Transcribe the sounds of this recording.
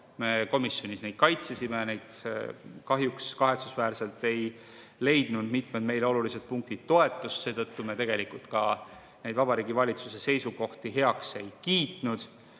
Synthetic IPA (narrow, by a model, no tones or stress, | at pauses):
me̞ko̞misjo̞nisnejd̪̥kɑjt̪sesimenejd̪̥ | kɑɦjukskɑɦe̞t̪susvæːɾse̞lt̪e̞j | le̞jd̪̥nud̪mit̪ˑmed̪̥me̞jleo̞lulised̪̥̚puŋk̚t̪id̥̪̚t̪ːo̞e̞t̪ːˑust̪se̞ːt̪ɤt̪ːume̞t̪e̞ɡ̥e̞likult̪kɑ | ne̞jd̪vɑb̥ɑɾiːɡivɑlʲit̪suse̞se̞jsuko̞ht̪iɦe̞ɑkse̞jkiːt̪ˑnud̪̥